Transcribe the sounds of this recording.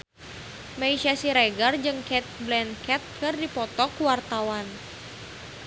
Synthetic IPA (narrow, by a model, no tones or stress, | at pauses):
maiʃasiɾɛɡard͡ʒɨŋkɛt̪̚blɛnkɛt̪̚kɨrdipɔt̪ɔkuwart̪awan